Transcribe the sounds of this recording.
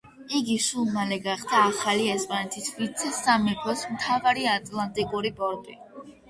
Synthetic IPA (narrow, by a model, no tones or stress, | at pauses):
iɡiʃulˠmalɛɡaχd̪aːχaliɛspʼanɛt̪ʰisvit̪sʰɛsamɛpʰɔsmt̪ʰavaɾiat̪ʼlˠant̪ʼikʼuɾibɔɾd̪ʼi